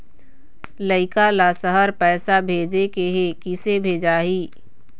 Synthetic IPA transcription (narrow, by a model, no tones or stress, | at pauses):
ləɪkalasəɦəɾpɛːsabʱeːd͡ʒekeɦekɪsebʱeːd͡ʒaːɦiː